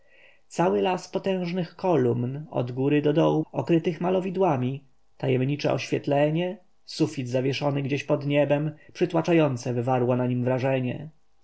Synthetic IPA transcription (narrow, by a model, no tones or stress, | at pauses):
t̪sawɘlaspɔt̪ɛ̃w̃ʐnɘxkɔlumnɔ̰d̪ɡuɾɘd̪ɔd̪ɔwuɔkɾɘt̪ɘxmalɔvʲid̪wamʲi | t̪ajɛmɲit͡ʂɛ̰ʔɔ̰ɕfʲjɛt̪lɛɲɛ | sufʲid̪zavʲjɛʂɔnɘɡd͡ʑeɕpɔd̪ɲɛbɛmpʂɘt̪wat͡ʂajɔnt̪sɛvɘvaɾwɔnaɲimvɾaʐɛɲɛ̰